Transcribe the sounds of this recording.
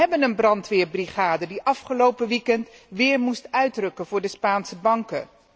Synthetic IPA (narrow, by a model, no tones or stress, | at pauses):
ɛbənənbrɑntʋɪːɹbriχaːdədiʔɑfχəlowpəʋikɛntʋɪːɹmustœɥdrɵkənvʊːɹdəspaːnsəbɑŋkə̰